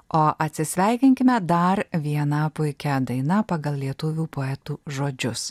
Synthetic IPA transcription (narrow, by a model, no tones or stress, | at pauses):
oːʔɐt̪ʲsʲɪsʲʋʲɛɪkʲɪŋʲkʲɪmʲɛd̪ɐɾʋʲiɛnɐpʊɪkʲɛd̪ɐɪnɐpɑɡɐlˠlʲiɛt̪ʊʋʲuːpoːɛt̪uːʒoːd͡ʒʲʊs